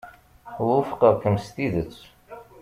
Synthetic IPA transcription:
ðˤəfqəðkəmst̪iðət͡sː

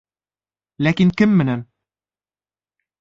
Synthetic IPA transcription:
lækiŋkɘmːɘ̆næn

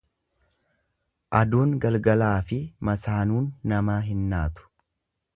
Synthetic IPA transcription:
ʔɐd̪uːŋɡɐlɡɐlaːfɪmɐsaːnuːnːɐmaːɦɪnːaːt̪ʊ̥

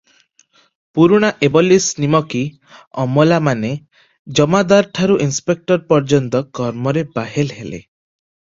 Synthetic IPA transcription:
puɾuɽ̃aʔebɔlisnimɔki | ɔmɔlamane | d͡ʒɔmad̪aɾʈʰaɾuʔinspek̚ʈɔɾpɔɾd͡ʒɔnt̪ɔkɔɾmɔɾebaɦelɦelḛ

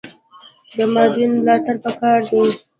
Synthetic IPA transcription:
d̪əmɑd̪inmlɑt̪aɾpəkɑɾd̪e

